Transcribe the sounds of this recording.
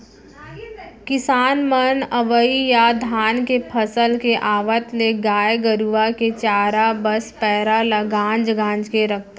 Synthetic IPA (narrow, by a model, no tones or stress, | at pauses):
kɪsaːnmənəʋəijad̪ʱaːnkepʰəsəlkeʔaːʋət̪leɡaːjɡəɾuʋaket͡ʃaːɾabəspɛːɾalaɡãːnd͡ʒɡãːnd͡ʒkeɾək̚ʰt̪